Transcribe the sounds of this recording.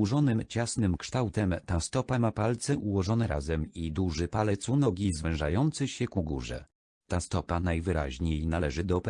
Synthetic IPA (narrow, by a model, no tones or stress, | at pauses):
uʐɔnɘmt͡ɕasnɘmkʂt̪awt̪ɛmt̪ast̪ɔpamapalt̪sɛʔuwɔʐɔnɛɾa̰zɛmid̪uʐɘpalɛt̪sunɔɡʲizvɛ̃w̃ʐa̰jɔnt̪sɘɕɛkuɡṵʐɛ̰ | t̪ast̪ɔpanajvɘɾa̰ʑɲejnalɛʐɘd̪ɔp